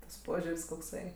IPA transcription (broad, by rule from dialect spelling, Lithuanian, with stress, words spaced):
tɐs ˈpoːʒʲʊrʲsʲ koːkˈsɐɪ